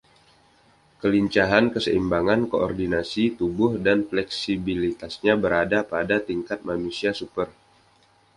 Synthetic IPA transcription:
kəliɲt͡ʃaɦankəsə̰imbaŋankoɔ̰rdinasit̪ubʊhdanflɛksibilit̪asɲabəɾadapadat̪iŋkat̪̚manusiasupər

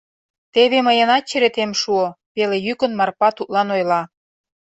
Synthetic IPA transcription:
t̪eβeməjə̆nɑt̪̚t͡ɕeɾet̪emʃuopelejykə̆nmɑrpɑt̪ut̪̚lɑnojlɑ

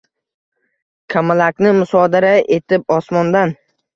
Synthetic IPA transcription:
kʲʰamalakʲnɪmʊsɒd̪aɾaʔe̞t̪ʰɪp̚ɒsmɒnd̪an

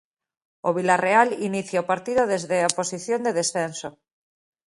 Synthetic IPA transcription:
oβilarealiniθjaopaɾt̪iðoðezðeaposiθjond̪eð̞esθenso

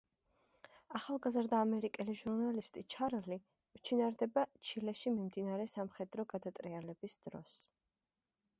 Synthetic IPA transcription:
aχalˠɡazɾd̪aːmɛɾikʼɛliʒuɾnalist̪ʼit͡ʃʰaɾli | mt͡ʃʰinaɾd̪ɛbat͡ʃʰilɛʃimimd̪inaɾɛsamχɛd̪ɾɔɡad̪at̪ʼɾialɛbisd̪̥ɾɔ̰s

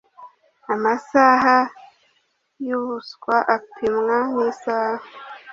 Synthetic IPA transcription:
amasaɦa | juβuskwaʔapʰimŋanisaha

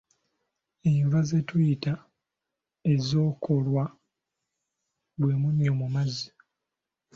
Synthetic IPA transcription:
evaze̞tujita | ezo̞ːkʰo̞lwa | βwe̞ːmunomumazi

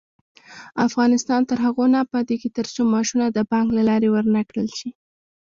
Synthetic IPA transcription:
afɣɑnɪst̪ɑnt̪əɾɦaɣonapəd̪eket̪əɾsomɑʃunad̪əbɑŋɡlalɑɾewəɾnakɽəlʃi

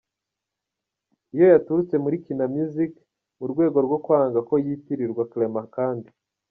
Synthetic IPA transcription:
ijo̞jatuɾut͡se̞muɾikinamuzik | muɾɡwe̞ːɡo̞ɾɡo̞kwaːŋɡako̞jiːtiɾiɾɡwaklemakaːndi

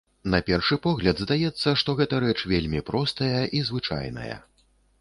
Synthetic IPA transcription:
nɐpʲɛrʂɨpɔɣlʲɐd̪zd̪ajɛt̪sːɐʂt̪ɔɣɛt̪ɐɾɛt͡ʂvʲelʲmʲipɾɔst̪ɐjɐʔizvɨt͡ʂa̰jnɐ̰jɐ̰

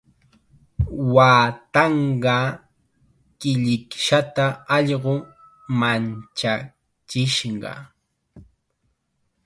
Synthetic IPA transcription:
waːt̪ɑɴɢɑ | kɪʎɪkʃat̪aɑʎɢo | mant͡ʃa | t͡ʃɪʃɢɑ̰

